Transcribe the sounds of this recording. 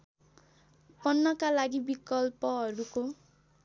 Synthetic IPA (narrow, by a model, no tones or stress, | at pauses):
pʌnːʌkalaɡibikʌlpʌɦʌɾuko